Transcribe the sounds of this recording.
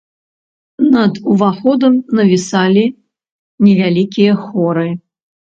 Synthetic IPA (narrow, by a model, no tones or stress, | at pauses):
nɐd̪uvaxɔd̪ɐmnɐvʲisalʲi | nʲɛvʲalʲikʲijɐxɔɾɨ